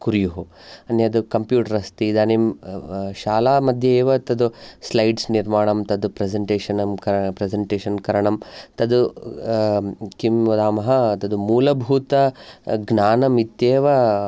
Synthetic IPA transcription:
kuɾjuɦu | ɐnːjɐɐd̪ukɐmpjuːʈɐɾɐst̪id̪aːnem | ʃaːlaːmɐd̪ʱjɐeːʋɐt̪ɐd̪uslɐjɖsniɾmaːɳɐmt̪ɐd̪upɾezeɳʈeːʃɐnɐmkɐɾɐpɾezeɳʈeːʃɐnkɐɾɐɳɐmt̪ɐd̪u | kimːud̪aːmɐɦɐt̪ɐd̪umuːlɐbʱuːt̪ɐɡnaːnɐmit̪jeːʋɐ

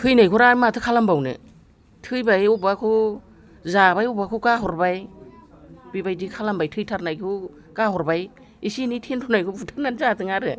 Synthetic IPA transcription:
tʰɯjnajkʰuɾamatʰɯkʰalambawnɯ̰ | tʰɯjbajubakʰu | zabajubakʰukaɦɔɾbaj | bibajdikʰalambajtʰɯjtʰaɾnajkʰu | kaɦɔɾbaj | isinitʰentʰɔnajkʰupʰutʰaɾnanzatɯŋaɾɯ

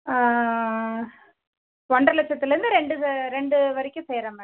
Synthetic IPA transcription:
ʋɔɳɖrɐlɛt͡ʃːɐt̪ːɪlɐɾɯnd̪ɯɾɛɳɖɯɾɛɳɖɯʋɐɾɪkʲːʊ̃seːɾɐːmɐ

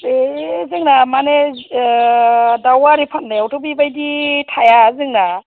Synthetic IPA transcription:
ezɯŋnamane | dawaɾipʰannajawtʰobibajditʰajazɯŋna

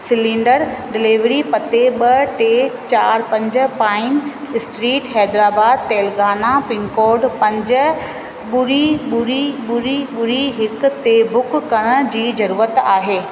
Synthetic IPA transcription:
sɪlɪ̃ɳɖəɾɖɪliʋɾipɐt̪eɓɐʈeːt͡ɕaːɾpɐ̃ɲd͡ʑə̆pãːɪn | ɪsʈɾiːʈhɛːd̪ɾaːbaːd̪̚t̪eːlɡaːnapɪ̃ŋkoːɾɖpɐ̃ɲd͡ʑə | ɓʊɽiɓʊɽiɓʊɽiɓʊɽiɦɪkt̪ebʊkːɐɽ̃ə̆d͡ʑiːzɐɾuːɾət̪aːɦeː

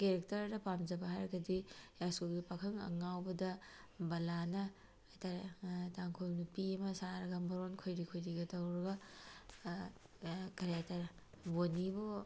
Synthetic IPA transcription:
keɾek̚tɐɾdɐpamd͡ʒɐbɐɦaɾɐɡɐdijaskulɡipakʰɐŋɐ̰ŋawbɐdɐbɐlanɐ | jtaɾtaŋkʰolnupiɐmɐsaɾɐɡɐmbɐɾonkʰojɾikʰojɾiɡɐtɐwɾɐɡɐ | keɾetɐɾ | bonibo

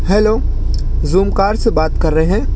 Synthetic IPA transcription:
hɛːloː | zuːmkaːɾsebaːt̪kɐɾːəɦeɦɛ̃ː

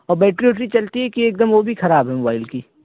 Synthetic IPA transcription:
ɔːɾbɛːʈɾiɦoːʈ̬ɾit͡ʃɐlt̪iɦɛkieːk̚d̪əmʋobʱixɐɾaːbɦɛmobaːɪlkiː

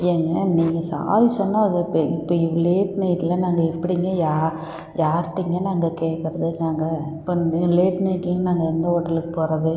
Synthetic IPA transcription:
eːŋɡɐniːŋɡɐsa̰ːɾisɔnːaːðɯpːɐɪpːoːɪleːʈnɐɪʈːɪlɐnaːŋɡɐɛpːɐɽɪŋɡɐjaː | jaːɾʈːɪŋɡɐnaːŋɡɐkeːʈkɪɾɐðɯnaːŋɡɐɪpːoleːʈnɐɪʈːɪlɐ̃naːŋɡɐɛnd̪ɐɔɽɐlɯkpoːɾɐðɯ

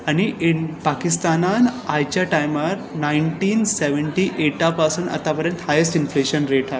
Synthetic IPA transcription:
aɽ̃iepakist̪ananajt͡ɕjaʈajmaɾnajɳʈiːnseʋəɳʈiːʔeʈapasuːna̰t̪apəɾjə̃nt̪hajəsʈinfleɕənɾeʈa

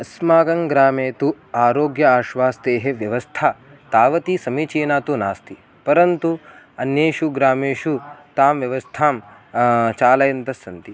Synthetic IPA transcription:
ɐsmaːɡɐŋɡɾaːmeːt̪u | aːɾoːɡjɐaːʃʋaːst̪eːɦeʋjɐʋɐst̪ʰaː | t̪aːʋɐt̪isɐmit͡ʃiːnaːt̪unaːst̪i | pɐɾɐnt̪u | ɐnjeːʃuɡɾaːmeːʃut̪aːmʋjɐʋɐst̪ʰaːm | t͡ʃaːlɐjɐnt̪ɐsɐnt̪i

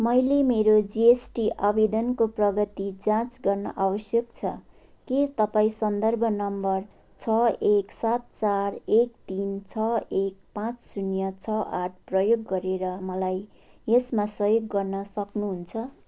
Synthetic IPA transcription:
mʌjlemeɾod͡ziesʈiʔabed̪ʌnkoprʌɡʌt̪id͡zãt͡sɡʌrnʌ̰ʔabʌsjʌk̚t͡sʰʌ | ket̪ʌpaĩsʌnd̪ʌrbʱʌnʌmbʌr | t͡sʰʌeksat̪̚t͡sarek̚t̪int͡sʰʌek̚pãt͡ssunjʌt͡sʰʌaʈ̚ʰprʌjoɡːʌɾeɾʌmʌlaj | esmasʌjoɡːʌrnʌsʌknuɦunt͡sʰʌ

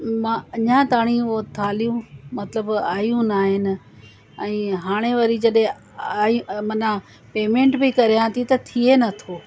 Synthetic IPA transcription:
mãːɐɲãt̪aːɽ̃iot̪ʰaːlijũmɐt̪ləbaːjũnaːɦɪnɪ̆ | ɛ̃ːɦaːɽ̃eʋɐɾid͡ʑɐɗɦẽ | aːj̃mɐnã | peːmẽːɳʈbikɐɾijãt̪ʰit̪ɐt̪ʰienɐt̪ʰoː

